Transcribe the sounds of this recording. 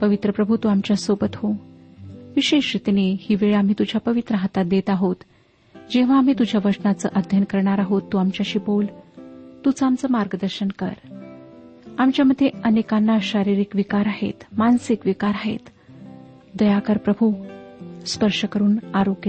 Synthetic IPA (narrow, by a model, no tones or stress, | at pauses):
pəʋit̪ɾəpɾəbʱut̪uamt͡ɕjasobət̪ho | ʋiɕeɕɾit̪inehiːʋeɭeam̤iːt̪ud͡ʑʱjapəʋit̪ɾəɦat̪at̪̚d̪et̪aɦot̪ | d͡ʑeʋ̤aːm̤iːt̪ud͡ʑʱjaʋəɾsənat͡sə̰ːʔəd̪ʱjənkəɾɳaɾaɦot̪ːuamt͡ɕjaɕiːbolt̪ut͡səamt͡səːmaɾɡəd̪əɾɕənkə̰ɾ | amt͡ɕjaməd̪ʱjeənekanːaɕaɾiɾikʋikaɾaɦḛt̪mansikʋikaɾaɦḛt̪ | d̪əjakəɾpɾəbʱu | spəɾʂəkəɾuːnaɾokj